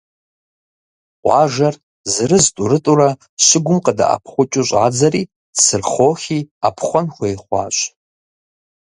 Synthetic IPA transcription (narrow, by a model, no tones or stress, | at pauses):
qʷaʒar | zrɨztʼuɾɨtʼuɾa | ʃɪɡʷʊmqʼada̰ʔa̰pʰχʷʊt͡ʃʼʊɕʷʼʕad͡zari | d̥sɨrχoχʲiapʰχʷanχʷejχʷa̰ɕʷʼ